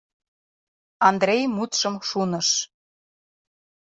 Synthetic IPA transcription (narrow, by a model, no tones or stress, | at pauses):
ɑnd̪ɾejmut̪ʃɤ̆mʃunɤ̆ʃ